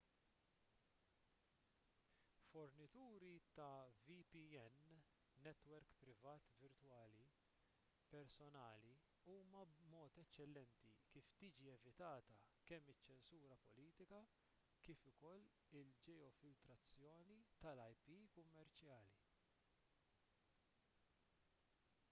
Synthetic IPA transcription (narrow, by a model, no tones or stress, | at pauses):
fɔɾnɪt̪uːɾit̪ɐvipiɛnː | ɛt̪wɛɾkpɾɪvɐːt̪vɪɾt̪wɐːli | pɛɾsɔnɐːli | uːmɐbmɔːt̪ɛt͡ʃːɛlːɛnt̪ikiːft̪iːd͡ʒiɛvɪt̪ɐːt̪ɐkɛmːɪt͡ʃːɛnsuːɾɐpɔliːt̪ɪkɐ | kiːfʊkɔlː | ɪld͡ʒɛjɔfɪlt̪ɾɐt͡sːjɔːnit̪ɐlɐjpiːkʊmːɛɾt͡ʃjɐːli